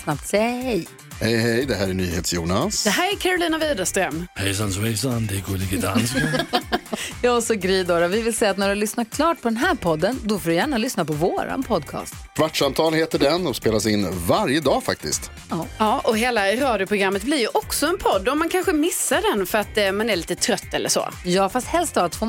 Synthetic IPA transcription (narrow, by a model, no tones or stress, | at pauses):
snap̚t̪sɛjahɛj | hɛjhɛjd̪ɛɦæːɾæɳyːheːt̪sjuːnasd̪ɛɦæːɾækʰæɾʊliːnaviːd̪ast̪ɾɛmːhɛjsanswɛjsand̪ɛɡolɪɡt̪a̰ | jɑːɔsɔɡɾiːd̪oːɾavɪvɪlsɛjːat̪næɖɵlʏsnaɾkʰlɑːʈ̚pʰɔd̪ɛnɦæːɾpʰɔd̪ːənd̪ɔfoːdɵjæːɳalʏsnapɔvoːɾa̰npʰɔd̪̚kʰɑ̰ːst̪kʰvaʈʂamt̪ʰɑːlheːt̪əɖɛnɔspeːlasɪnːvaɾjəd̪ɑːfa̰k̚t̪ɪ̰st̪ | ɑːɑːʔɔɦeːlaɾɑːd̪jʊpʰɾʊɡɾamːət̪̚blɪɾjɵʔɔksɔɛnpʰɔd̪ːɔmːankʰanɧəmɪsːaɖɛnfœɾat̪ːmanæɾɭiːt̪ət̪ʰɾœt̪ːɛlːə̰ʂɔ̰jɑːfast̪hɛlst̪ɑːt̪fɔ